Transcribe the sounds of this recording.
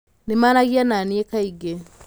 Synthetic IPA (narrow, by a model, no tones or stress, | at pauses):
nemaːnaɣjananiekaiɡe